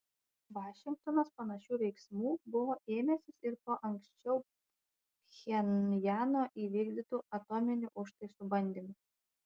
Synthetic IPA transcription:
ʋɑːʃʲɪŋkt̪oːnospɐnɐʃʲuːʋʲɛɪksmuːbʊʋoːʔeːmʲɛsʲɪsɪɾpoːʔɐŋksʲt͡ʃʲɛʊ | xʲɛnjæːnoːʔiːʋʲiːɡʲd̪ʲɪt̪uːʔɐt̪oːmʲɪnʲʊʔʊʃt̪ɐɪsʊbɐnʲd̪ʲimʊ

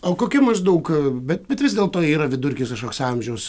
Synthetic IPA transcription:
oːkoːkʲʊmɐzd̪ɐʊkbʲɛt̪̚bʲɛt̪ʋʲɪzd̪ʲeːlˠt̪oːiːɾɐʋʲɪd̪ʊɾʲkʲiːsɐʃkoːksɐmʲʒʲɛʊs

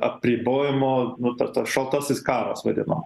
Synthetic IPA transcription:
ɐpʲrʲiːboːjɪmoːnʊt̪ɐt̪ɐsʃɐlˠt̪ɐsɪskɑːɾɐsʋɐd̪ʲɪ̰nɐm

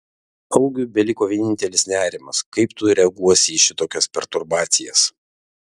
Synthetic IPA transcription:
ɐʊɡʲuːˑbʲɛlʲɪkoːʋʲiɛnʲɪnʲt̪ʲɛlʲɪsnʲæːɾʲɪmɐskɐɪpt̪ʊɾʲɛɡuɔsʲiːʃʲɪt̪oːkʲɛspʲɛɾt̪ʊɾbɑːt̪sʲɪjɛs

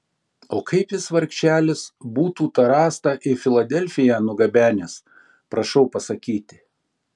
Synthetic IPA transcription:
oːkʰɐɪpjɪsʋɐɾʲkʃt͡ʃʲt͡ʃʲæːlʲɪsbuːt̪uːt̪ɐɾɑːst̪ɑʔɪfʲɪlˠɐd̪ʲɛlʲfʲɪjæːnʊɡɐbʲæːnʲes | pɾɐʃɐʊpɐsɐkʲiːt̪ʲɪ

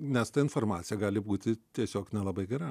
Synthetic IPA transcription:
nʲɛst̪ɐɪnfoːrmɑːt̪ʲɪjɛɡɑːlʲɪbuːt̪ʲɪt̪ʲiɛsʲoːknʲɛlˠɐbɐɪɡʲɛɾɐ

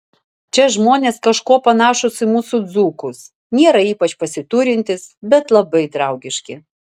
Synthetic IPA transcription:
t͡ʃʲɛʒmoːnʲeːskɐʃkuːpɐnɑːʃʊsɪmuːsʊd̪zuːkʊs | nʲeɛɾɐiːpɐt͡ʃpɐsʲɪt̪uɾʲɪnʲt̪ʲɪsbʲɛt̪lˠɐbɐɪd̪ɾɐˑʊɡʲɪʃʲkʲɪ

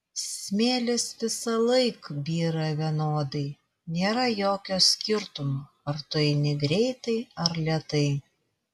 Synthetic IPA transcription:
sʲmʲeːlʲɪsʋʲɪsɐlˠɐɪkbʲiːɾɐʋʲiɛnoːd̪ɐɪ | nʲeːɾɐjoːkʲoːsʲkʲɪɾt̪ʊmoː | ɐɾt̪ʊɪnʲɛɡɾʲɛɪt̪ɐɪɐɾlʲɛɛt̪ɐɪ

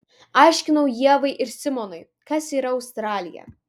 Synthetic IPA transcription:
ɑˑɪʃʲkʲɪnɐʊjiɛʋɐɪʔɪɾsʲɪmɔnɐɪ | kɐsiːɾɐɐʊst̪ɾɑːlʲɪjɛ̰

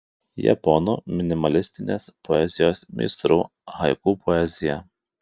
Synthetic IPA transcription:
jɛ̰pɔnṵːmʲɪnʲɪmɐlʲɪsʲt̪ʲɪnʲḛːspɔɛzʲɪjoːsmʲḭːst̪ɾuː | ɦɐɪkuːpɔɛzʲɪjɛ

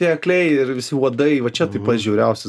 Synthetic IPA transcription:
iɐklʲɛɪɪɾʋʲɪsʲɪuːd̪ɐɪʋɐt͡ʃʲɛt̪ɐɪpɐt̪ʒʲuːɾʲɛʊsʲɪ

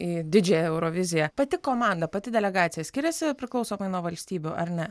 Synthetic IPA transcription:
iːd̪ʲɪd͡ʒʲɛjɛɛʊɾoːʋʲɪzʲɪjɛpɐt̪ʲɪkoːmɑnd̪ɐpɐt̪ʲɪd̪ʲɛlʲɛɡɑːt̪sʲɪjɛsʲkʲɪɾʲɛsʲɪpʲɾʲɪklˠɒʊsoːmɐɪnuɔʋɐlʲsʲt̪ʲiːbʲʊʔɐɾnʲɛ

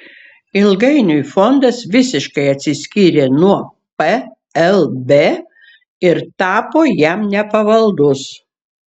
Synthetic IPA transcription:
ɪlˠɡɐɪnʲʊifɔnd̪ɐsʋʲɪsʲɪʃkɐɪɐt̪ʲsʲɪsʲkʲiːɾʲeːnuɔ | pɛ | ɛlˠbʲeː | ɪɾt̪ɑːpoːjæmnʲɛpɐʋɐlˠd̪ʊs

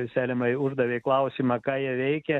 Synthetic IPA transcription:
sʲæːlʲɪmɐʊʒd̪ɐʋʲeɪklˠɐʊsʲiːmɑkɑːjiɛʋʲɛɪkʲɛ

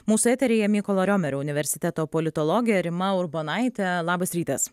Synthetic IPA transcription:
muːsʊɛt̪ʲɛɾʲejɛmʲikɔlˠɐɾʲoːmʲɛɾʲoʊnʲɪʋʲɛɾʲsʲɪ̥t̪ʲɛt̪oːpɔlʲɪt̪ɔlˠɔɡʲɪjɛɾʲɪmɐʊɾbonɑɪt̪ʲɛlˠɑːbɐsɾʲiːt̪ɐs

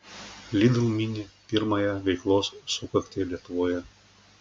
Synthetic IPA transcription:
lʲid̪ʲɨlˠmʲinʲɪpʲiɾmɐjɛʋʲɛɪklˠoːsːʊkɐkʲt̪ʲeːlʲiɛt̪ʊʋoːjɛ

